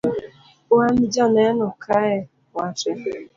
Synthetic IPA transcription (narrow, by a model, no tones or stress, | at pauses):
oamid͡ʒɔnɛnʊkʰaɛ | wat͡ʃɛ